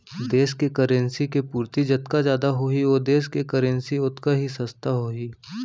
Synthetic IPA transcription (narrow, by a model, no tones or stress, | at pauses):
d̪eːskekəɾə̃nsikepuːɾt̪id͡ʒɐt̪kazjaːd̪aɦoioːd̪eːskekɐɾə̃nsiʊt̪kaɦisɐst̪aɦoːiː